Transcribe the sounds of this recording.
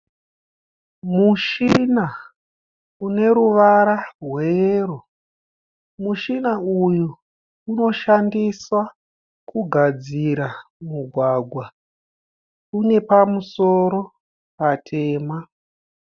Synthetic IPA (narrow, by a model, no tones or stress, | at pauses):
muʃina | une̞ɾuʋaɾarwero | muʃinaujuː | no̞ʃandiswa | kuɡʱad͡ziɾamuɡʱwaɡʱwa | une̞pamuso̞ɾo̞ | patʰe̞ːma